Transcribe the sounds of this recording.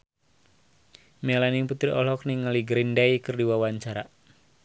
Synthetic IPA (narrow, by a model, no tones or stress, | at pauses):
mɛlaniŋput̪ɾiʔɔlɔkniŋaliɡɾindaikɨrdiwawaɲt͡ʃaɾa